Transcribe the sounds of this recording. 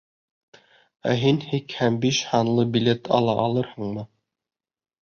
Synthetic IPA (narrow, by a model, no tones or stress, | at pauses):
æ̰ɦinhikhæmbiʃhɑnlˠɤbilʲet̪ʰɑ̰lˠɑʔɑlˠɤɾhɤ̆ɴmɤ